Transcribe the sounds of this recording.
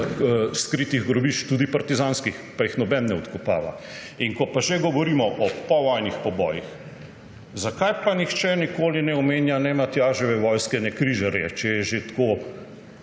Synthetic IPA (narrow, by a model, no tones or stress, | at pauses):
skɾiːt̪iɣɡɾɔbiːt͡ʃt̪uːd̪ipaɾt̪izanskixpajixnɔbɛnːɛɔt̪kɔpa̰ːʋa̰ | iŋkɔpaʒeɡɔʋɔɾiːmɔʔɔpɔʋɔjnixpɔbɔːjix | zakajpanixt͡ʃɛnikoːlinɛɔmeːnjanɛmat̪jaʒɔʋɛʋɔːjskɛnɛkɾiʒaɾjɛ̰t͡ʃɛjɛʒet̪koː